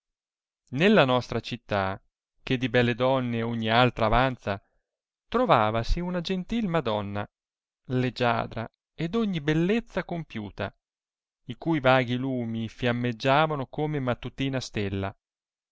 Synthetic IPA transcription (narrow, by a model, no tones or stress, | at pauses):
nelːanɔst̪ɾat͡ʃit̪ːa | k̟ed̪ibɛlːed̪ɔnːeoɲːialt̪ɾaːvant̪sa | t̪ɾovaːvasiunad͡ʒent̪ilmad̪ɔnːa̰ | led͡ʒa̰ːd̪ɾa̰ | ed̪oɲːibelːet̪sːakompjuːt̪a̰ | ikuːjvaːɡiluːmifjamːed͡ʒːaːvanokomemat̪ːut̪iːnast̪elːa̰